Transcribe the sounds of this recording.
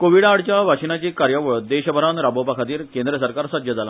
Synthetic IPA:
koʋiɽaɽt͡ɕjaʋʱakɕinat͡ɕiːkaɾjəʋəɭd̪eɕəbʱəɾanɾabopakʰat̪iːɾkend̪ɾəsəɾkaɾsəd̪ʱjəd͡zala̰

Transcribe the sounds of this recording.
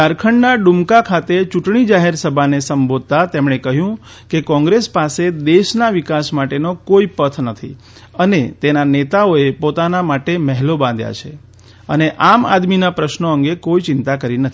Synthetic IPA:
aɾkʰəɳɖnaɖumkakʰat̪et͡ʃuʈɳ̃id͡ʒaɦeɾsəbʱanesəmbʱod̪̚t̪at̪emɳekəɦjũ | kekɔ̃ŋɡɾespased̪eʃnaʋikasmaʈenokoipət̪ʰnət̪ʰḭ | ənet̪enanet̪aoepot̪anamaʈeməɦlobãnd̪ja̰t͡ʃʰe | əneʔama̰d̪minapɾəʃnoəŋɡekoit͡ʃɪnt̪akəɾinət̪ʰi

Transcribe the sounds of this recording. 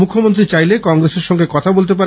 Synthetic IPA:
mukʰːomont̪ɾit͡ɕajlekɔŋɡɾeseɾʃɔŋɡekɔt̪ʰabolt̪̬epaɾ

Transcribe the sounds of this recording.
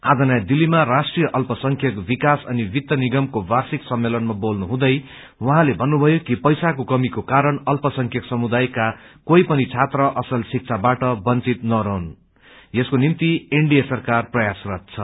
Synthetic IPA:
ad͡zʌnajd̪ilːimarasʈrijʌʔʌlpʌsʌŋkʰjʌkbikasʌnibit̪jʌniɡʌmkobarsiksʌmːelʌnmabolnuɦũd̪ʌj | wʌɦãlebʱʌnːubʱʌjokipʌjsakokʌmikokaɾʌɳʌlpʌsʌŋkʰjʌksʌmud̪ajkakojpʌnit͡sʰat̪rʌʔʌsʌlsik̚t͡sʰabaʈʌbʌnt͡sit̪nʌɾʌɦun | eskonimt̪ieɳɖijʌsʌrkarprʌjasrʌt̪̚t͡sʰʌ

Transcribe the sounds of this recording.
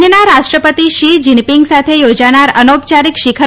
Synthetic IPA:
ənaɾaʃʈɾəpət̪iʃid͡ʒinpiŋɡsat̪ʰejod͡ʒaɽ̃aɾənopt͡ʃaɾikʃikʰə

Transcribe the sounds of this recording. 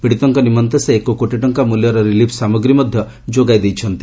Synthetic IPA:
biɽit̪ɔŋkɔnimɔnt̪eseekokoʈiʈɔŋkamuljɔɾɔɾilipʰsamɔɡɾimɔd̪ʱjɔ | d͡ʒoɡajd̪ejt͡ʃʰɔnt̪i

